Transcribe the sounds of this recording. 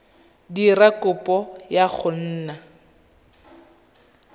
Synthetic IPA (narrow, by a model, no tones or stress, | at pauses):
dirakʊpʼɔjak͡xʰʊn̩ːna